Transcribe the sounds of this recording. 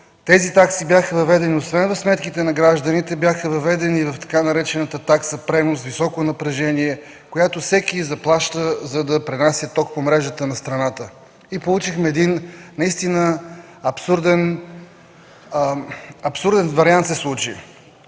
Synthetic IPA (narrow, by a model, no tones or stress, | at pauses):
t̪ɛzit̪aksibjaxəvɐvɛd̪ɛniosvɛnvɐfsmɛt̪kit̪ɛnɐɡɾaʒd̪ənit̪ɛbjaxəvɐvɛd̪ɛnivɐft̪ɐ̥kanɐɾɛt͡ʃɛnət̪ət̪aksɐpɾɛnosvisɔkonɐpɾɛʒɛniɛ | kojat̪ofsɛkizɐplˠaʃt̪əzɐd̪ɐpɾinasʲjət̪ɔk̚pomɾɛʒət̪ənɐst̪ɾɐnat̪ə | ipolˠut͡ʃixmɛːd̪innːɐist̪inə | ɐpsuɾd̪ɛn | ɐpsuɾd̪ɛnvɐɾiant̪sɛslˠut͡ʃḭ